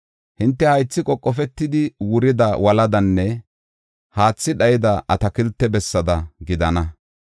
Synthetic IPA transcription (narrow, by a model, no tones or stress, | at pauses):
hɪnt̪ːɛhɐjt͡sːɪkʼɔkʼːɔfɛt̪ːɪd̪ɪwʊɾɪd̪ɐwɐlɐd̪ɐnːɛ | haːt͡sːɪɗɐjɪd̪ɐʔɐt̪ɐkɪlt̪ːɛbɛsːɐd̪ɐɡɪd̪ɐnɐ